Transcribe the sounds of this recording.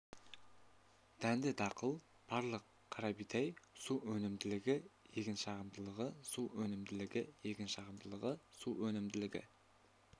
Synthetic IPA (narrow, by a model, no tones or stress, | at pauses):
d̪̥ænd̪ɪd̪ɑqəlˠ | b̥ɑɾlˠəq̚ | qʰːɑɾɑbijt̪ɑjsuwɵnɪmd̪ɪlɪɡʲɪje̞kʲɪnʃɑʁəmd̪əlˠəʁəsuwɵnɪmd̪ɪlɪɡʲɪje̞kʲɪnʃɑʁəmd̪əlˠəʁəsuwɵnɪmd̪ɪlɪɡʲɪ̰